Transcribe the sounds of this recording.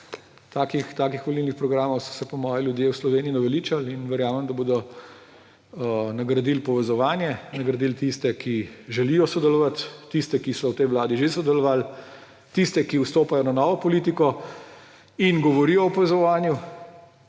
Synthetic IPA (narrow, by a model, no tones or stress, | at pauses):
t̪aːkixt̪aːkixʋolilnixpɾɔɡɾaːmɔwsɔ̥sɛpɔmɔːjɛljud̪jeːwslɔʋeːniinɐʋɛliːt͡ʃalinʋɛɾjaːmɛmd̪aboːd̪ɔ | nɐɡɾɐd̪ilpɔʋɛzɔʋaːnjɛnnɐɡɾɐd̪ilt̪ist̪ɛkiʒɛlijɔsɔd̪ɛlɔʋat̪ːist̪ɛkisɔwt̪ɛjʋwlaːd̪iʒesɔd̪ɛlɔʋaːl | t̪ist̪ɛkiust̪oːpajɔnanɔːʋɔpɔliːt̪ikɔ | inɡɔʋɔɾijɔɔpɔʋɛzɔʋaːnju